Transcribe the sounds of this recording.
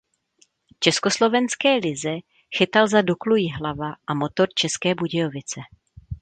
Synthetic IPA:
t͡ʃɛsko̞slo̞vɛnskɛːlɪzɛ | xɪt̪alzaduklujɪɦlavaʔamo̞t̪o̞ɾt͡ʃɛskɛːbuɟɛjovɪt͡sɛ

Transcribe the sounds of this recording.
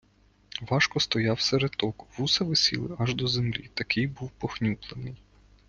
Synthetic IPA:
ʋɑʃkɔst̪ɔjɑwseɾet̪ɔkʋusɐʋɪsʲḭlˠɪ̰ʔɐʒd̪ɔzemlʲḭt̪ɐkɪjbuwpɔxnʲuplˠenɪj

